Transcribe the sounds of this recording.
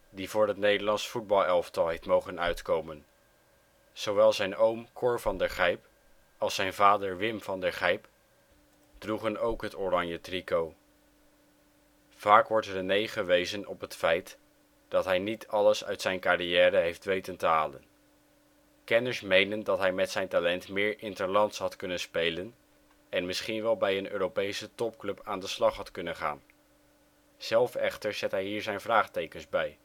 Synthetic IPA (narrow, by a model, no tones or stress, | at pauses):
divʊːɹɦətnejdəɹlɑnsfud̚bɑlˠɛlˠftɑlˠɦejftmowχənœɥtkowmən | z̥owʋɛlˠzɛjnowmkʰʊɹvɑndəχɛjp | ɑlˠsɛjnvaːdəɹʋɪmvɑndəɹχɛjp | d̥ruχənowkɦətorɑɲjətrikow | v̥aːkʋɔɹtrənejχəʋejzənɔpɦətfɛjt | d̥ɑtɦɛjnitʰɑləsœ̰ɥtsɛjnkariɛːɾəɦejftʋejtəntəɦaːlə̰n | kɛnəɹsmejnəndɑtɦɛjmɛtsɛjntalɛntmɪːɹʔɪntəɹlɑntsɦɑtkɵnənspejlən | ɛnmɪsχinʋɛlˠbɛjənø̰ːrowpejsətɔp̚klɵpaːndəslɑχɦɑtkɵnənχa̰ːn | z̥ɛlˠfɛχtəɹz̥ɛtɦɛjɦiːɹzɛjnvraːχtejkənzbɛj